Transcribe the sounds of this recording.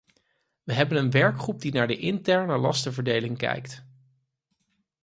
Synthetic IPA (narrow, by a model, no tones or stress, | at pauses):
ʋəɦɛbənənʋɛɹkχrub̚dinaːɹdəʔɪntɛɹnəlɑstəvəɹdejlɪŋkɛ̰jkt